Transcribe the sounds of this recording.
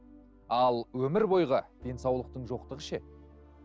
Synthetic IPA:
ɑlˠwɵmɪɾbo̞jʁəd̪̥e̞nsɑwlˠəq̚t̪əɴʒo̞qt̪əʁəʃe

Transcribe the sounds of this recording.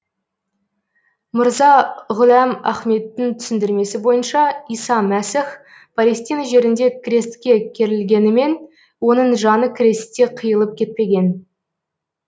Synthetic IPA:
mʊɾzɑʁʊlæmæχme̞t̪ːɪŋt̪ʰʏ̥sɪnd̪ɪɾme̞sɪbo̞jənʃɑijsɑmæsɪχ | pʰɑlʲe̞st̪ijnɑʒe̞ɾɪnd̪e̞kʲʰrʲe̞st̪kʲe̞kʲʰe̞ɾɪlɡʲe̞nɪme̞n | wo̞nəɴʒɑnəkʲʰɾʲest̪kʲːe̞qʰəjəlˠəp̚kʲʰe̞t̪̚pe̞ɡʲe̞n

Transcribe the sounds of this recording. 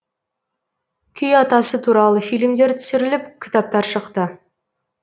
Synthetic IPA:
kʲʰʏjɑt̪ɑsət̪ʰuɾɑlˠəfijlmd̪eɾt̪ʰʏ̥sɪɾɪlɪpkʲʰɪ̥t̪ap̚t̪ɑɾʃəqt̪ə

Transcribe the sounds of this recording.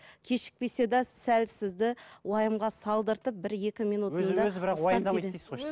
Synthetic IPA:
kʲʰe̞ʃɪ̥k̚pe̞se̞d̪ɑsælsɪzd̪ɪwɑjəmʁɑsɑlˠd̪əɾt̪əp̚bɪɾje̞kʲɪmijnut̪ənɑɪɾmd̪eɾ

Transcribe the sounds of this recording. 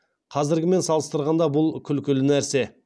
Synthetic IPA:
qʰɑzɪɾɡʲɪme̞nsɑlˠəst̪əɾʁɑnd̪ɑbʊlˠkʲʰʏlkʲɪlɪnæɾse̞

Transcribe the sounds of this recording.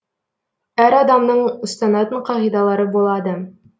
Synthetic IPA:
æɾɑd̪ɑmnɤɴŏst̪ɑnɑt̪ɤɴqɑʁid̪ɑlˠɑɾɤbulˠɑd̪ɤ

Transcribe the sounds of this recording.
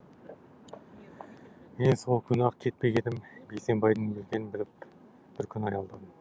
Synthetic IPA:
mensolˠkʲʰʏnɑqkʲʰe̞t̪̚pe̞ɡʲe̞d̪ɪmbe̞kse̞mbɑjd̪ənbelɡʲe̞nɪnbɪlɪp̚ | b̥ɪɾkʲʰʏnɑjɑlˠd̪ɑd̪əm

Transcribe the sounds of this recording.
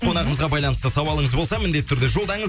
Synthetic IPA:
qʰo̞nɑʁəməzʁɑbɑjlˠɑnəst̪əsɑwɑlˠəɴəzbo̞lˠsɑmɪnd̪e̞t̪ʰːʏɾd̪eʒo̞lˠd̪ɑɴəz

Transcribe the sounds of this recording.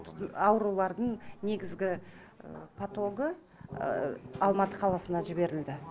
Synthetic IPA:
ɑwɾulˠɑɾd̪əɴne̞ɡʲɪzɡʲɪ | pʰat̪o̞ɡə | ɑlˠmɑt̪əqʰɑlˠɑsənɑʒɪbe̞ɾɪld̪ɪ

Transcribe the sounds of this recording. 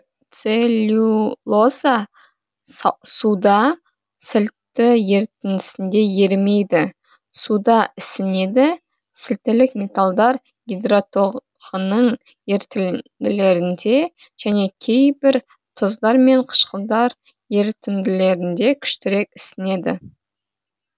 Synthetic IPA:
t̪selʲulˠoza | sud̪ɑ | sɪlt̪ːɪje̞ɾt̪ɪnd̪ɪsɪnd̪e̞je̞ɾme̞jd̪ɪ | sud̪ɑɪsɪne̞d̪ɪ | sɪlt̪ːɪlɪkmʲe̞t̪alˠd̪ɑɾ | ɡʲid̪rot̪o̞ | ʁənəɴ | je̞ɾt̪ɪd̪ɪle̞ɾɪnd̪e̞ | ʒ̥æne̞kʲʰe̞jbɪɾ | t̪ʰʊzd̪ɑɾme̞ɴqʰə̥ʃqəlˠd̪ɑɾ | je̞ɾt̪ɪmd̪ɪle̞ɾɪnd̪e̞kʲʰʏ̥ʃt̪ɪɾe̞kʲɪsɪne̞d̪ɪ̰

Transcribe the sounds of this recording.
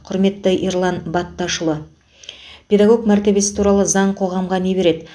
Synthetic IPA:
qʰʊɾme̞t̪ːəʔiɾlˠɑnbɑt̪ːɑʃəlˠə | pʰʲe̞d̪ɑɡo̞kmæɾt̪e̞be̞sɪ̥t̪ʰuɾɑlˠəzɑɴqʰo̞ʁɑmʁɑne̞be̞ɾe̞d̪ɪ

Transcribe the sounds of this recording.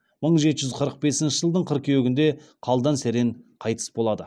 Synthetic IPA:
məɴʒe̞t̪ɪʒʏzqʰəɾəq̚be̞sɪnʃɪʒəlˠd̪əɴqʰəɾq̚kʲʰejeɡʲɪnd̪e̞qʰɑlˠd̪ɑnseɾeɴqʰɑjt̪ə̥sbo̞lˠɑd̪ə

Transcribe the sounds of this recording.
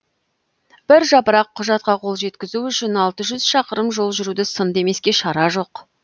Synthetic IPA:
b̥ɪɾʒɑpəɾɑqʰːʊʒɑt̪̚qɑqʰo̞lˠʒe̞t̪kʲɪzuʏʃɪnɑlˠt̪əʒʏzʃɑqəɾəmʒo̞lˠʒʏɾud̪ɪsənd̪e̞me̞skʲe̞ʃɑɾɑʒo̞q

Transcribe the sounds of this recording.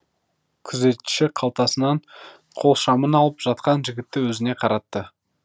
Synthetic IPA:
kʲʰʏze̞t̪ʃɪqʰɑlˠt̪ɑsənɑɴ | qʰo̞lˠʃɑmənɑlˠəpʒ̥ɑt̪̚qɑnʒɪɡʲɪt̪ːɪwɵzɪne̞qʰɑɾɑt̪ːə

